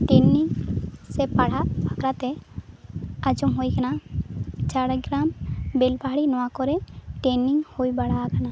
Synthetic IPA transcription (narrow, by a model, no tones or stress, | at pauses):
ʈenːiŋsɛpaɽ̤abʱakɾat̪ɛ | ad͡ʒɔmɦojkana | t͡ʃaɾəɡɾambelbaɦɽinɔwakɔɾɛʈenːiŋhojbaɽ̤akana